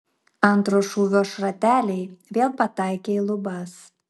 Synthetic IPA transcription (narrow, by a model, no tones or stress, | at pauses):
ɐnt̪ɾoːʃuːʋʲoːʃɾɐt̪ʲæːlʲɛɪʋʲeɛlˠpɐt̪ɑˑɪkʲeːlˠʊbɐs